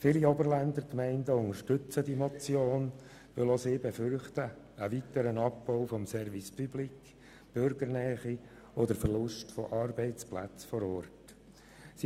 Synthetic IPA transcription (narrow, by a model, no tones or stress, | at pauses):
filiɔbəɾlænd̪əɾkmɛɪndəʊŋəɾʃtʏt͡sədimɔt͡sjoːn | ʋʏlɔseːbefʏrχtəː | ʋitəɾənɑpːɔʊfɔmsɛɾvispʰyblik | b̥ʏɾɡəɾnɛːχi | ɔd̪əɾfərlʊʃtfɔ̰ʔɑːɾbɛɪt͡splæ̰t͡sfɔɾɔːrt | si